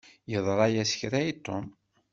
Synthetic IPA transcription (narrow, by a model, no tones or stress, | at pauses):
jəðˤɾˤɑjæsə̥çɾæit̪ˤːom